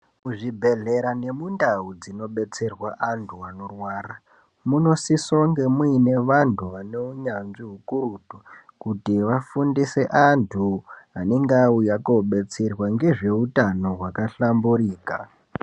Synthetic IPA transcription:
kuʐibʱe̞ɮe̞ɾane̞mundaud͡zino̞ɓe̞t͡se̞rwaʔantʰuano̞rwaːɾa | muno̞sisoŋɡe̞mwne̞ʋantʰuʋaneuɲanʐiɦukurutukutiʋafundise̞ʔantʰuaneŋɡaujako̞ɓe̞t͡serwaŋɡe̞ʐe̞utano̞ɦwakaɬamburiːka

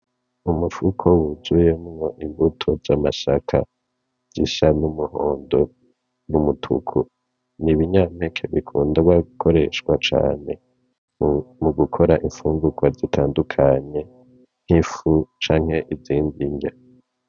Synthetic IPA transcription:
umufukʰo̞wuzuje̞mŋo̞ʔimbutʰozamaʃakʰa̰ | z̥iʃanumuhoːndo̞ | numutʰṵkʰu | niβiɲamhekʰeβikʰuːndaɡwaɡukʰo̞ɾe̞ʃkwat͡ʃa̰ːne̞ | muɡukʰo̞ɾaʔiɱfuːŋɡukwazitʰaːndukʰaɲe̞ | n̥hifut͡ʃaːŋ̥he̞ʔiziːndiɲɡe

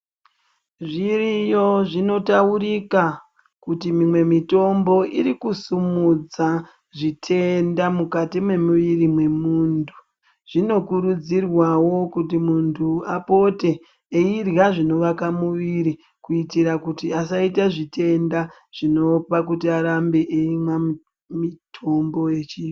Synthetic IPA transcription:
ʐirijo̞ʐino̞tauɾika | kutimimwe̞mito̞mbo̞ʔiɾikusumud͡za | ʐitʰe̞ndamukatimwe̞muʋirimwe̞muːntʰu | ʐ̥ino̞kuɾud͡zirwawo̞kutimuntʰuapo̞te̞ː | irjaʐino̞ʋakamuʋiɾi | kuitiɾakutiasaitaʐitʰe̞nda | ʐ̥ino̞pakutiaɾambe̞ʔeimwa | mitʰo̞mbo̞je̞t͡ʃiː

